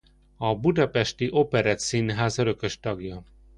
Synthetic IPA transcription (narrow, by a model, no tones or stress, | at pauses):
ɒbud̪ɒpɛʃt̪iʔo̞pɛɾɛt̪sinɦaːzɒɾø̞kø̞ʃt̪ɒɡjɒ